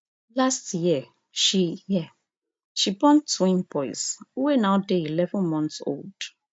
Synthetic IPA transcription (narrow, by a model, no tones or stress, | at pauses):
lastjiɛ | ʃijɛ | ʃibɔ̃ntwĩnbɔɪsuwenaʊdeilɛvə̃nmɔ̃ntso̰ld̥